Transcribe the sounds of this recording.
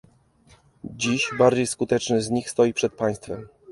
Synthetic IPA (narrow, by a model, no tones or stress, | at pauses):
d͡ʑiɕbaɾd͡ʑejskut̪ɛt͡ʂnɘzɲixst̪ɔjipʂɛt̪̚paj̃st̪fɛm